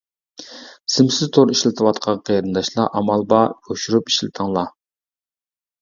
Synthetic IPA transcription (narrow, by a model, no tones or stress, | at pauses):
sɪmsɪzt̪ʰoɾiʃlɪt̪ʰɨwɑt̪qʰɑqʰejɾɨnd̪ɑʃlˠɑ̰ʔɑmɑlˠbɑoʃuɾupi̥ʃlɪt̪ʰəŋlˠɑ